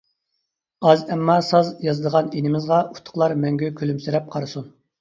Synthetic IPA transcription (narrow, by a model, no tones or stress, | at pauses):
ɑzɛmːɑsɑzjɑzɨd̪əʁɑninɪmɪzʁɑu̥t̪ʰːʊ̥χlˠɑɾmɛŋɡʲykʲʰylymsyɾɛp̚qʰɑɾɨsun